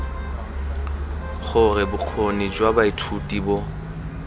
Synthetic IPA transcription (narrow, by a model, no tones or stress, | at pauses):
χʊrɪbʊq͡χʰonid͡ʒwabaitʰutʼibɔ